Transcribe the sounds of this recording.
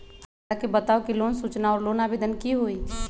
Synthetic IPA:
pʰ | akebət̪aokilonsut͡ʃnaɔːɾlonabed̪ənkiɦoit̪ʰ

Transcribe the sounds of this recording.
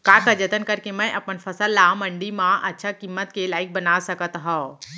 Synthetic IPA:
kaːkad͡ʒət̪ənkɐɾkemɛ̃ʔɐpənfʰɐsəlːamə̃ɳɖimãʔɐtːʃʰakimːət̪kelaːɪk̚bɐnasəkət̪ɦão

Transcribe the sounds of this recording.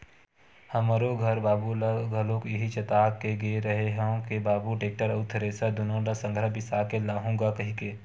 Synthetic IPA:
həməɾoɡʱəɾbaːbulaɡʱəlõkjɪɦit͡ʃət̪aːkeɡeɾəɦeɦɛõkebaːbuʈeːk̚ʈəɾəʊt̪ʰːəɾeːsad̪ʊnõlasə̃ŋɡʱɾəbɪsaːkelaːɦũɡakɐɦĩke

